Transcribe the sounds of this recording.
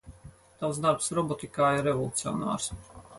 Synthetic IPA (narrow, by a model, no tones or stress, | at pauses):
t̪aws̬d̪aɾpsɾɔbɔt̪ikaːiɾːɛvɔlˠut̪sio̰na̰ːɾs